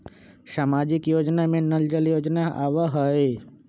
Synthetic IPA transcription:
saːmaːd͡ʒɪkjoːd͡ʒnamẽnəld͡ʒəljoːd͡ʒnaa̰ːʋaɦəe

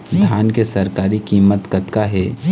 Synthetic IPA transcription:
d̪ʱjaːnkesɐɾkaːɾikiːmːət̪kət̪kaɦɛː

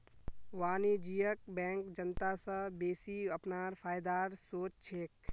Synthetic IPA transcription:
ʋaːnid͡ʒijək̚bɛ̃ːŋkd͡ʒənt̪asãbeːsiɐpnaːɾfʰaːjd̪aːɾsoːt͡ʃt͡ʃʰeːk

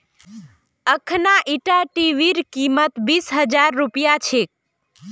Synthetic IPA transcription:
əkʰnaʔiʈaʈiʋiɾkimət̪bisɦəd͡ʒaɾːupijat͡ʃʰe

